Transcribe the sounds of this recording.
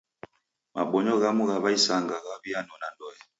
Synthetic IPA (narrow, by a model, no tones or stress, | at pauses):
ma̰ɓɔɲɔɣamuɣaβaisaŋɡaɣaβianɔnandɔjɛ